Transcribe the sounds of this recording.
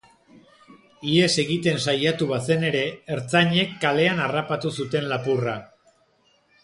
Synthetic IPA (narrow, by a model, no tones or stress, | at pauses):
ie̞se̞ɣit̪e̞nsajat̪uβase̞ne̞ɾe̞ːɾt͡saɲe̞kːale̞anarapat̪usut̪e̞nlapura